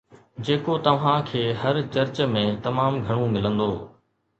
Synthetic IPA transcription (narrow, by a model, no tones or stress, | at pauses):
d͡ʑeːkot̪ɐʋ̤ãkʰeːɦɐɾt͡ɕɐɾt͡ɕmẽt̪ɐmaːmɡʱɐɽ̃ũmɪlə̃nd̪oː